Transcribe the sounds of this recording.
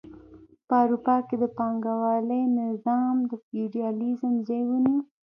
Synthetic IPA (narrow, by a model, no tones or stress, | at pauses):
pəawɾupɑked̪əpɑŋɡawɑləjnɪzɑmd̪əfiɖiɑlizəmzajwəni